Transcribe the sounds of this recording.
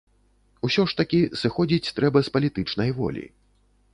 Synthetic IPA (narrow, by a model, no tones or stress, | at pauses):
usʲɔʂt̪ɐkʲisɨxɔd͡zʲit͡sʲt̪ɾɛbɐspɐlʲit̪ɨt͡ʂnɐjvɔ̰lʲḭ